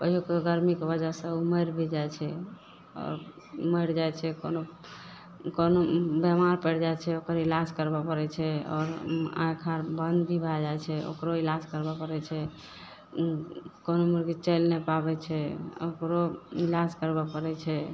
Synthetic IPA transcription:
pəijokeɡəɾmikebəd͡ʒəsə̃uməjɾbʱid͡ʒajt͡ʃʰɛ | ɔ̰ːɾ | məjɽd͡ʒajt͡ʃʰɛkono | konobemaɾpəɽd͡ʒajt͡ʃʰɛokəɾilaskəɾbapəɾɛt͡ʃʰɛɔ̰ːɾã̰jkʰaɾbənd̪bʱibʱad͡ʒajt͡ʃʰɛo̰kɾoilaskəɾbapəɾɛt͡ʃʰɛ | konomuɾɡit͡ʃɛlnepabɛt͡ʃʰɛokɾoilaskəɾbapəɾɛt͡ʃʰɛ

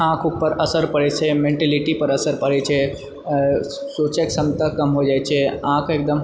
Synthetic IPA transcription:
ãːkʰʊpːəɾɐsəɾpɐɽet͡ʃʰemẽɳʈɛlɪʈipɐɾɐsəɾpɐɽɛt͡ʃʰe | soːt͡ʃeksɐmt̪əkɐmɦod͡ʒaːjt͡ʃʰeãːkʰeːk̚d̪əm

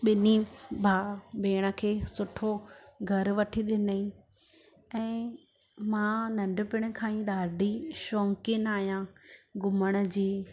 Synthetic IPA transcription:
ɓɪnibʱaːbʱeːɽ̃ə̆kʰeːsʊʈʰoɡʱɐɾʋɐʈʰiɗɪnəĩ | ɛ̃ː | mãːnɐ̃ɳɖʊ̆pɪɽ̃̆kʰãːĩɗaːɖʱiʃɔːŋkɪnaːɦjãɡʊməɽ̃ə̆d͡ʑiː

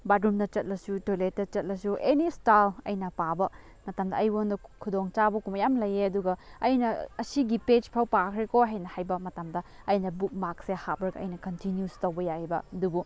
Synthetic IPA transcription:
badɾumdɐt͡ʃɐt̚lɐsutolet̚ːɐt͡ʃɐt̚lɐsuʔenistalɐ̰jnɐpabɐ | mɐtamdɐɐjwondɐkʰudoŋt͡ʃabɐkumɐjamlɐjeɐduɡɐɐjnɐːsiɡipet͡ʃpʰawpakʰɾikoɦajnɐhajbɐmɐtamdɐ | ɐjnɐbuk̚mak̚sehabɾɐɡɐʔɐ̰jnɐkɐntinjustowbɐjahibɐ̰dubu

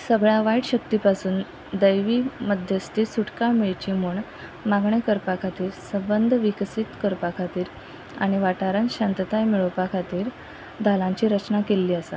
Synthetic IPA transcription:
səbɭaʋaiʈɕək̚t̪ipasuːn | d̪əjʋiːməd̪ʱjəst̪isuʈkamiɭt͡ɕiːmuɳ | maɡɳekəɾpakʰat̪iːɾsəbənd̪ʱʋiksit̪kəɾpakʰat̪iːɾ | a̰ɽ̃iʋaʈaɾãnɕant̪ət̪ajmiɭopakʰat̪iːɾ | d̪ʱalãɲt͡ɕiːɾət͡ɕnakelːiːəsa

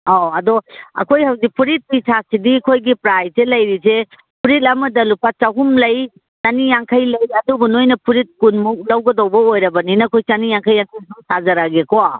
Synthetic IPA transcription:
aɐdɔɐ̰kʰojhawdipʰuɾit̚pisʰasidikʰojɡipɾajzelɐjɾize | pʰuɾit̬̚ɐmɐdɐlupat͡ʃawɦumlɐj | sanijaŋkʰajlɐjɐdubunojnɐpʰuɾit̚kunmuk̚dawɡɐdawbɐojɾɐbɐninɐkʰojt͡ʃanijaŋkʰajaŋkʰajsuŋsazaɾaɡekɔwa

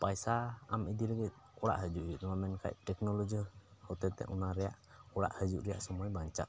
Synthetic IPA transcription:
pajsaamid̪iləɡit̪̚ | ɔɽa̰ʔɦəd͡ʒuʔuʔ̪ɔnamɛnkʰa̰ʔʈɛknɔlɔd͡ʒihɔt̪ɛt̪ɛ̰ʔɔnaɾɛja̰ʔɔɽa̰ʔhəd͡ʒuʔɾɛja̰ʔsɔmɔjbaɲt͡ʃa̰ʔ

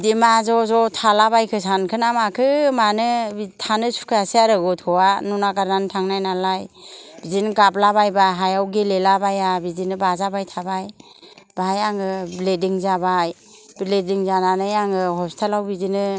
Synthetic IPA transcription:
dimazɔzɔtʰalabajkʰɯs̬ankʰɯnamakʰɯmanɯitʰanɯsu̥kʰasiaɾɯɡɔt̚ʰkʰɯwanunaɡaɾnantʰaŋnajnalajb̥izinɯɡap̚labajbaɦajawɡelelabajabizinɯbazabajtʰabaj | bajaŋɯblediŋzabaj | bilediŋzananɯjaŋɯhɔstʰalawbizinɯ

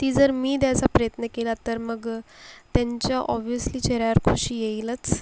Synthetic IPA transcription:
t̪iːd͡zəɾmiːd̪jat͡sapɾəjət̪nəkelat̪əɾməɡt̪jaɲt͡ɕjaʔɔbijəsliːt͡ɕeɾaaɾkʰuɕiːjeilət͡s

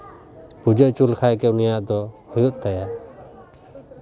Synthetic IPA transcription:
pud͡ʒəʔt͡ʃulkʰajkɛunijaʔd̪ɔhujut̪̚ˀt̪aja

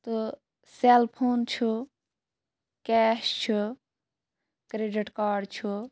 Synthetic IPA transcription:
t̪u | selpʰoːnt͡ʃʰu | kɛːʃt͡ʃʰu | kɾeːɖiʈkaːɖt͡ʃʰu

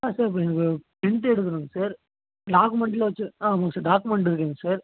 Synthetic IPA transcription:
aːsaːɾɪp̬ːɐːɛnɐkːɯpɪɳt̪ɛɽɯk̪ːɯɐɾɯŋɡɐsaːɾ | ɖaːkɯmɛɳʈɪlɐʋɐt͡ʃːɯaːɐʋɐŋɡɐsaːɾɖaːkɯmɛɳʈɪɾɯk̬ːeːŋɡɐsaːɾ

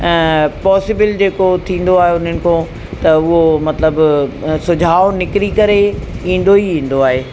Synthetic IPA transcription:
ɛ̃ːpɔːsɪbɪld͡ʑeːkot̪ʰĩːn̆d̪oaːɦeʊn̤ənɪ̆kʰõː | t̪ɐʊɦomɐt̪ləbsʊd͡ʑʱaːonɪkɾikɐɾeĩːn̆d̪oiĩːn̆d̪oaːɦeː

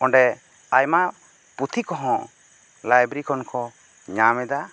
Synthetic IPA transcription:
ɔɳɖɛ | ajma | put̪ʰikɔɦɔ̃ | lajbɾikɔnkɔ | ɲamɛd̪a

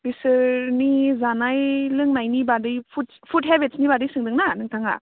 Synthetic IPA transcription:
bisɯɾnizanajlɯŋnajnibadɯjpʰut̚ | pʰut̚ɦebet̚snibadɯjsɯŋdɯŋnanɯŋtʰaŋa̰

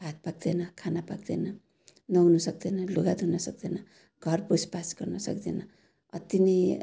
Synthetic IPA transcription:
bʱat̪̚paɡ̚d̪enʌkʰanapaɡd̪enʌ | nʌɦunʌsʌk̚d̪enʌluɡad̪ʱɦunʌsʌkd̪enʌ | ɡʱʌrbuspasɡ̥ʌrnʌsʌ̰kd̪enʌ | ʌt̪inʌ

